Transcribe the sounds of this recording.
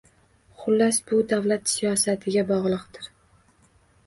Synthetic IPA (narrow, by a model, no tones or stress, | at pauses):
χʊlːasbʊd̪avlat̪sijɒsat̪ʰɪɡʲabɒʁlˠɨqt̪ɪɾ